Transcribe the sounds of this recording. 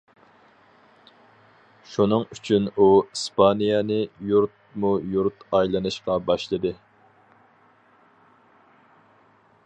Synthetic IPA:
ʃunɨŋyt͡ʃʰynuispʰɑnijɑnɨjuɾt̪̚mujuɾt̪ɑjlˠɨnɨʃqɑbɑʃlˠɨd̪ɨ

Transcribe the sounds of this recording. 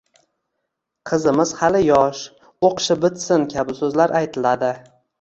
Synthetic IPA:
qʰɨzɪmɪz̥halɪjɒʃ | oqʃɪbɪt̪sɪnkʲʰabɪsɵzlaɾʔajt̪ʰɪlad̪ɪ

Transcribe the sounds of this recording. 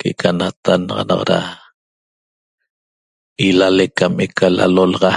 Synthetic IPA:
kekʰanat̪anʁɑ̰nɑ̰qɾa̰ | ilalekamekʰala̰lolʁɑ

